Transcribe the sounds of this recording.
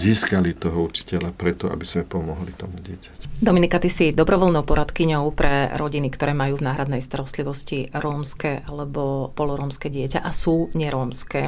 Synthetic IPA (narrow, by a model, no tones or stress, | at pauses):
ziːskalit̪ɔɦɔut͡ʃi̥cɛlapɾɛt̪ɔʔa̰biz̥mɛpɔmɔɦlit̪ɔmuɟɪɛcḁcd̪ɔminikat̪isid̪ɔbɾɔʋɔlnɔʊpɔɾat̪kiɲɔʊpɾɛɾɔɟinikt̪ɔɾɛːmajuːvnaːɦɾad̪nɛjst̪aɾɔst̪liʋɔsciɾɔːmskɛːʔalɛbɔpɔlɔɾɔːmskɛɟɪɛca̰ʔasuːɲɛɾɔːmskɛː